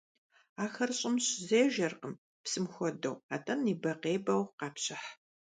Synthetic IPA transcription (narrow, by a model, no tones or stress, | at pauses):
aːxɐrɕʼɪmɕzeːʒɐrqəm | psɨmxʷɔdɐ̰wa̰ːtʼɐniːbɐqeːbɐwqɑːpɕɪħ